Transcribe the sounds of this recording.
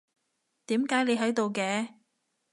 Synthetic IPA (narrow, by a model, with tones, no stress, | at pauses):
t̪iː˨˥mkaː˨˥jne˨˧jɦɐ˨˥jt̪o˨wkɛː˧